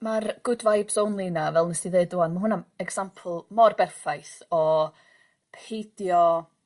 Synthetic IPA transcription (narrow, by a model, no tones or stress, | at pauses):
marɡ̥ʊdvajbsownlˠinavɛlˠnəsiðeːdʊanmaɦʊnamɛɡsampʰl̩ˠmɔrbɛrfajθɔ | pʰejdjɔ